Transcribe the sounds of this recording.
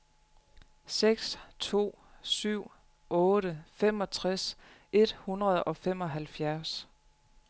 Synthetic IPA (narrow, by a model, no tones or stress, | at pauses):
seɡ̥st͡sʰo̝̰ː | syʊ̰ | ɔ̽ːɾ̥əfem̰ɒ̽t͡sʰʁas | ʔe̝d̥hunʁɐð̞̩ˠɒ̽fem̰ɒ̽ɦælfjæɐs